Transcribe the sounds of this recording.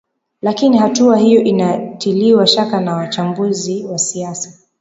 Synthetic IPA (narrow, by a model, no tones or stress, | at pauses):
lakinihatuahijɔʔinatiliwaʃakanawat͡ʃambuziwasiasḁ